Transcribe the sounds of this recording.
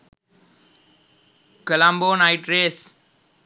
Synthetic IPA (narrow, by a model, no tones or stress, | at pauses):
kəlãmboːnaɪʈɾeːs